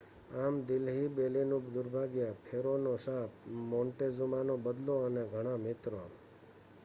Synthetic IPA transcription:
amd̪ɪlɦibelinud̪ʊɾbʱaɡjəpʰeɾonoʃapmoɳʈezumanobəd̪loəneɡʱəɽ̃amɪt̪ɾo

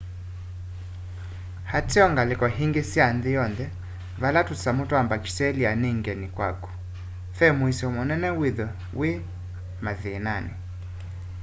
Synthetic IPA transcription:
hatiɔŋɡalikɔɦiŋɡisianðijɔnðɛ | valatusamutɔambaki̥sɛlianiŋɡɛnikwa̰kɔ̥ | fɛmuisɛumɔnɛnɛwiðɔ | wi | maðinani

